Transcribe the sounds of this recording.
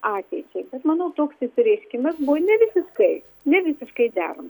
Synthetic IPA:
ɑːt̪ʲɛɪt͡ʃʲɛɪbʲɛt̪mɐnɐʊt̪oːksʲɪt̪ʊɾʲɪʃʲkʲɪmɐsbunʲɛʋʲɪsʲɪʃkɐɪ | nʲɛʋʲɪsʲɪʃkɐɪd̪ʲæ̰ːɾo̰m

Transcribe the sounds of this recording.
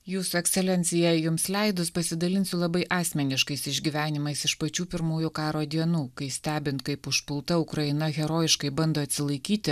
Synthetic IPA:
juːsʊɛksʲɛlʲɛnʲt̪sʲɪjɛjʊmslʲɛɪd̪ʊspɐsʲɪd̪ɐlʲɪnsʲʊlˠɐbɐɪʔɑːsʲmʲɛnʲɪʃkɐɪsɪʒʲɡʲiːʋʲæːnʲɪmɐɪsɪʃpɐt͡ʃʲuːpʲɪɾmuːjʊkɑːɾoːd̪ʲiɛnuːkɐɪsʲt̪ʲæːbʲɪnt̪̚kɐɪpʊʃpʊlˠt̪ɐʊkɾɐɪnɐɣʲɛɾoːjɪʃkɐɪbɐnd̪oːɐt̪ʲsʲɪlˠɐɪkʲiːt̪ʲɪ

